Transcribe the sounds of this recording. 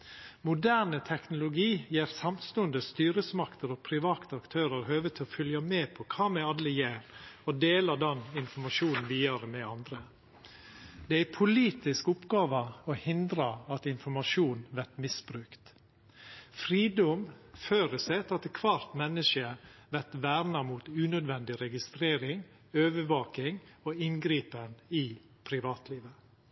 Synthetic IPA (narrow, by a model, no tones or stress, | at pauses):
mʊd̪æːɳət̪ʰɛknʊlʊɡiːjeːɾsɑmst̪uːənd̪əst̪yːɾəsmɑkt̪əɾopʰɾɪʋɑːt̪ʰəɑkt̪ʰøːɾəɾhøːʋət̪ʰɪɔfʏljɑmeːpʰɔkʰɑːmæɪɑd̪ɾəjeːɾɔd̪eːlɑd̪ɛnɪnfɔɾmɑʂuːnn̩ʋiːɑɾəmɛɑnd̪ɾə | d̪ɛæɪpʰʊliːt̪ɪskʊpɡɑːʋəɔhɪnd̪ɾɑɑt̪ɪnfɔmɑʂuːnʋæɾʈ̪mɪsbɾʉːkt̪ | fɾiːd̪ɔmføːɾəsɛt̪ʰɑt̪ɛkʰʋɑɾt̪mɛnːəʂəʋæɾt̪ʋæɾnɑmuːt̪ʉːnœd̪ʋɛnd̪ɪɾɛɡɪst̪ɾeːɾɪŋ | øːʋəʋɑːkɪŋoːɪnɡɾiːpənɪ | pʰɾɪʋɑːt̪ʰliːʋə